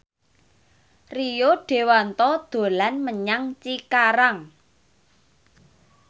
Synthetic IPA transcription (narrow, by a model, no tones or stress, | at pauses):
rijoɖ̥e̤want̪ɔd̪̥o̤lanməɲaŋt͡ʃikaɾaŋ